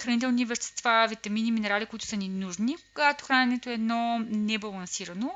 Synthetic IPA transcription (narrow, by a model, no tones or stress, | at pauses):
xɾɐnit̪ɛlˠnivɛʃt̪ɛ̥st̪vavit̪ɐminiminɛɾalikoit̪ʊ̥sɐninuʒnikoɡat̪o̥xɾanʲɛnɛt̪oɛːd̪nɔnɛbɐlˠɐnsiɾəno